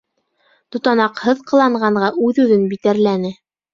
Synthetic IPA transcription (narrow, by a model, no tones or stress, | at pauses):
t̪ŭt̪ɑnɑqhɤðqɤ̆lˠɑɴɢɑɴɢɑʔʉðʉðɘnbit̪æɾlænɘ